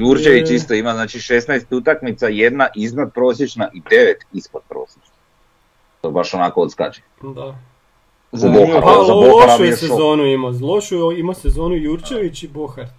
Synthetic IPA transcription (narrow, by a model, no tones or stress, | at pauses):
juɾt͡ʃeʋit͡ʃist̪oimaznaːt͡ʃiʃe̞snajst̪ut̪akmit̪saje̞d̪naʔiznad̪̚pɾo̞ːsjet͡ʃnaʔid̪e̞ʋet̪ispod̪̚pɾo̰ːsʲjet͡ʃna | t̪obaʃonakood̪ska̰t͡ʃi̥ | d̪a | zaboxa̰zaboaɾamiseozoːnuimazlˠoʃuimasezoːnujuɾt͡ʃeʋit͡ɕiboxaɾ